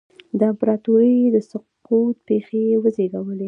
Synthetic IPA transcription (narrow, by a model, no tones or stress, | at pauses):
d̪əampɾɑt̪oɾəd̪əsʊq | ut̪̚pexewəzeɡawəle